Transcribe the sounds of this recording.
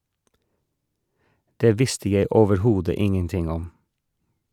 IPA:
ˈdeː ˈʋɪstə ˈjæɪ oːʋəɾˈhuːdə ˈɪŋənˌtɪŋ ˈɔm

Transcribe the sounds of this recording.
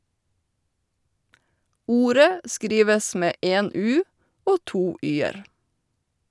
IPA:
ˈuːɾə ˈskɾiːʋəs ˈmeː ˈʔeːn ˈʉː ˈoː ˈtuː ˈʔyːəɾ

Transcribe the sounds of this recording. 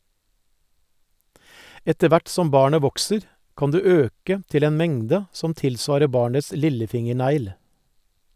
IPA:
ˈɛtə ˈʋæʈ ˈsɔm ˈbɑːɳə ˈʋɔksəɾ ˈkɑn ˈdʉː ˈøːkə ˈtɪl ˈeːn ˈmɛŋdə ˈsɔm ˈtɪlˌsʋɑːɾə ˈbɑːɳəs ˈlɪləˌfɪŋəˌɳæɪl

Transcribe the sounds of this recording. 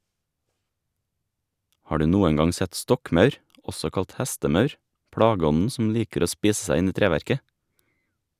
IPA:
ˈhɑː ˈɖʉː ˈnuːəŋ ˈɡɑŋ ˈsɛt ˈstɔkˌmœʉɾ ˈɔsɔ ˈkɑlt ˈhæstəˌmœʉɾ ˈpɽɑːɡəˌɔnn̩ sm̩ ˈliːkəɾ ˈoː ˈspiːs ˈsæɪ ˈɪn ˈiː ˈtɾeːʋæɾkə

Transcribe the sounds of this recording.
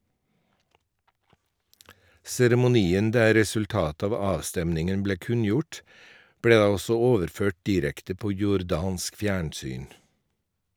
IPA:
sɛɾɛmʊˈniːən ˈdæː ɾɛsʉlˈtɑːtə ˈɑːʋ ˈɑːʋstɛmnɪŋən ˈbleː ˈkʉnjʊʈ ˈbɽeː ˈdɑː ˈɔsɔ ˈoːʋəɾˌføːʈ ˈdiːɾɛktə ˈpoː jʊɾˈdɑːnsk ˈfjæːɳˌsyːn

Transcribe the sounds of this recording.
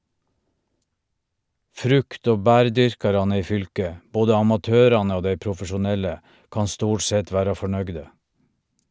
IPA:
ˈfɾʉkt ˈoː ˈbæːɾˌdʏɾkɑɾɑnə ˈiː ˈfʏlkə ˈboːdə ɑmɑˈtøːɾɑnə ˈoː ˈdæɪ pɾʊfəʃʊˈnɛlə ˈkɑː ˈstuːʈ ˈsɛt ˈʋæːɾɑ fɔˈɳœɡdə

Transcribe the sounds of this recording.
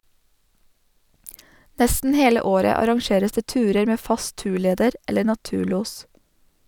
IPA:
ˈnɛstn̩ ˈheːlə ˈoːɾə ɑɾɑŋˈʃeːɾəs ˈdeː ˈtʉːɾəɾ ˈmeː ˈfɑs ˈtʉːˌɭeːdəɾ ˈɛləɾ nɑˈtʉːˌɭuːs

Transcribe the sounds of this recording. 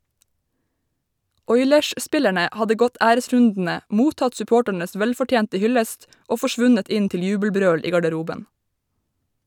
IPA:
ˈɔʏlɛʃˌspɪlæɳə ˈhɑdə ˈɡɔt ˈæːɾəˌsɹʉndn̩ə ˈmuːtɑt sʉˈpoːʈəɳəs ˈʋɛlfɔˌʈjeːntə ˈhʏləst ˈoː fɔˈʃʋʉnət ˈɪn ˈtɪl ˈjʉːbl̩ˌbɾøːɽ ˈiː ɡɑɖəˈɾuːbən

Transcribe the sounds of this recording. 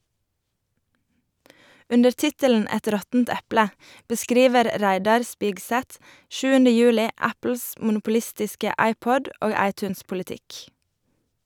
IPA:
ˈʉndəɾ ˈtɪtəln̩ ˈɛt ˈɾɔtn̩t ˈɛplə bəˈskɾiːʋəɾ ˈɾæɪdɑɾ ˈspɪɡˌsɛt ˈʃʉːəndə ˈjʉːlɪ ˈæpl̩s mʊnʊpʊˈlɪstɪskə ˈɑɪˌpɔd ˈoːɡ ˈɑɪˌtʉːnspʊlɪˌtɪk

